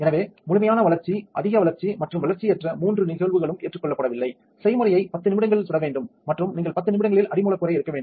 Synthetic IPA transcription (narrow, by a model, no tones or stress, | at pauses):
ɛnɐʋeːmʊɻʊmɐjaːnɐʋɐlɐɾt͡ʃiʔɐ̰ðɪɣɐʋɐlɐɾt͡ʃimɐʈrɯmʋɐlɐɾt͡ʃiɛʈrɐmuːndrɯnɪɣɐɭʋɯɣɐɭɯmʔeːʈrɯkːɔɭːɐpːɐɽɐʋɪlːɐɪ | sɐɪmɯrɐjɐɪpɐt̪ːɯnɪmɪɽɐŋɡɐɭɪlsʊɾɐʋeːɳɖɯmːɐʈrɯmniːŋɡɐɭpɐt̪ːɯnɪmɪɽɐŋɡɐɭɪlɐɽɪmuːɭɐkːɯːɾɐɪɪɾɯkːɐʋeːɳɖm